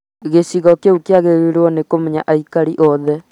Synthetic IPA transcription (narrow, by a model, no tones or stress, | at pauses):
ɣesiɣɔkeukjaɣeɣeɾɔnekomɛɲa̰ʔaikaɾiʔɔðɛ